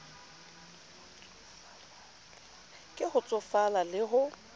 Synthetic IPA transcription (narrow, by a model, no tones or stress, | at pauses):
kʼɪχʊt͡sʼɔfalalɪɦʊ